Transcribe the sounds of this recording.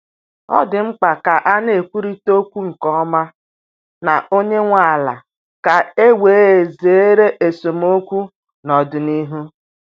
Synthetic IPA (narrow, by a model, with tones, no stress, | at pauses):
ɔ̰˦dɪ˨ŋ͡m̩˦k͡pa˨ka˨ʔa˦ne˨e˨kʷu˦ɾi˦to˦kʷu˦ŋ̩˨kɔ˦ɔ˦ma˦ | na˨ʔo˦ɲe˦ŋʷa˨a˨la̰˨ | ka˨e˦we˨˦e˨ze˨e˦ɾe˦ʔe˨so˨m˦o˦kʷu˦ | nɔ˨dʊ˨ni˦ɦu˦